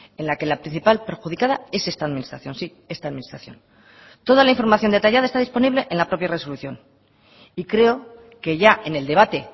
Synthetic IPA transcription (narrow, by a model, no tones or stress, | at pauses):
e̞nlake̞lapɾin̟θipalpe̞ɾxuð̞ikað̞ae̞se̞st̪aːðminist̪ɾaθjo̞nsi | e̞st̪aðmĩnist̪ɾaθjo̞̰n | t̪o̞ðalaiɱfo̞ɾmaθjo̞nd̪e̞t̪aʝaðaest̪aðispo̞niβle̞ʔenlapɾo̞pjare̞so̞luθjo̞n | ikɾe̞o̞ | ke̞ʝae̞ne̞ld̪e̞βat̪e̞